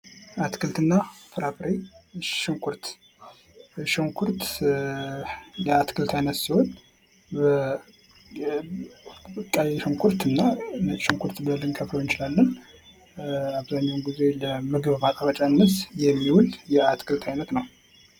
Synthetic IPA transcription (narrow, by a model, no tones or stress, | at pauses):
at̪kʰɨlt̪ɨnːafɨɾafɾeʃɪŋkʰʷuɾt̪ | ʃəŋkʰuɾt̪ | lɛat̪kʰɨlt̪ʰajnət̪siho̞n | bə | kʼajʃɨŋkʰuɾt̪ɨnːaʃɨŋkʷʰuɾt̪bləlːɨŋkʰəflojɨnt͡ʃɪlalːən | aβzaɲːawnɡize̞ləmɨɡɨββat̪ʼaβət͡ʃʼanːɨsjɛmːiwuljɛat̪kʰɨlt̪ʰajnət̪nəw